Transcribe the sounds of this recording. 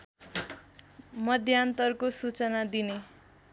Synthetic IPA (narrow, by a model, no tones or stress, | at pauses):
mʌd̪ʱjant̪ʌrkosut͡sʌnad̪ine